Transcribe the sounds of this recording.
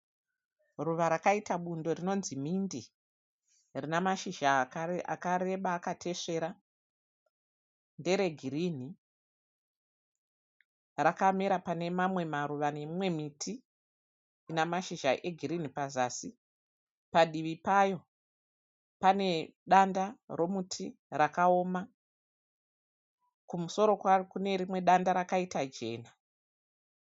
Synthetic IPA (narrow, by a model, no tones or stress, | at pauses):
ruʋaɾakaitaɓundo̞rino̞nzimindi | rinamaʃiʒaa̰kaɾe̞ɓaːkatʰe̞ʂe̞ɾa | nde̞ɾe̞ɡʱiɾiːn̤i | rakameɾapane̞mamwe̞maɾuʋane̞mimwe̞mitʰiː | namaʃiʒa̰ʔeɡʱiɾinipazaːsi | paɗiʋipajo̞ | pane̞ɗandaro̞mutʰi | rakao̞ːma | kumuso̞ɾo̞kwaikune̞ɾimwe̞ɗandaɾakaitad͡ʒe̞̰ːna